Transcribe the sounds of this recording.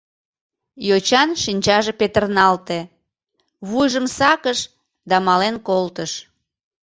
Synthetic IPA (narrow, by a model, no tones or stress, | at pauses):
jot͡ɕɑnʃinʲt͡ɕɑʒepet̪ərnɑlt̪e | βujʒəmsɑkəʃ | d̪ɑmɑlenkolt̪əʃ